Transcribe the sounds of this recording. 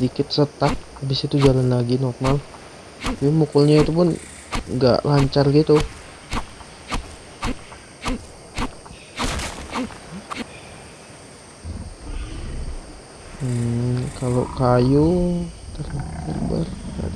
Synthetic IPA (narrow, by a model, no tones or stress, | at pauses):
dikɪt̪sət̪ak̚abɪsit̪ud͡ʒalanlaɡinɔrmal | imukʊlɲait̪upʊn | ɡa̰ʔlaɲt͡ʃarɡit̪u | kalokajut̪ərt̪ərbə̰ra̰